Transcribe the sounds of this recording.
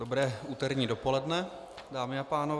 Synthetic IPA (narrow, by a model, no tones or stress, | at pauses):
dobɾɛːuːt̪ɛɾɲiːdo̞polɛdnɛ | daːmɪapaːnov